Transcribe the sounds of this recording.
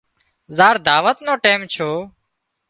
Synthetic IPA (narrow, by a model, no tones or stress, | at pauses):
zaːɾd̪ʱaːʋət̪nõːʈeːmt͡ʃʰoː